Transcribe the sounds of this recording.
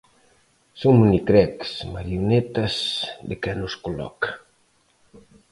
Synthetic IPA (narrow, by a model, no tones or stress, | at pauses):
soŋmunikɾɛksmaɾjunet̪ɐzd̪ekanʊskolɔ̰kḁ